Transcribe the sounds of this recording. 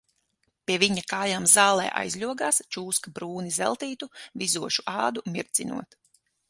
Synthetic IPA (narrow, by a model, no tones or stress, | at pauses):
pʲiɛviɲakaːjaːmzaːlˠɛ̰ːʔa̰jzlʲuɔɡaːst͡ʃuːskabɾuːnizɛ̰lˠt̪iːt̪uvizuɔʃuʔaːd̪umʲiɾt̪sinṵɔt̪